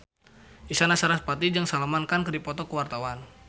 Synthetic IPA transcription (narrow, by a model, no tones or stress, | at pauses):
ʔisanasaɾaspat̪id͡ʒaŋsalamankankədipɔt̪ɔkəwart̪awan